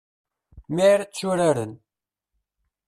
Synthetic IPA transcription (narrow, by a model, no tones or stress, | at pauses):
miɾt͡ʃːuɾaɾən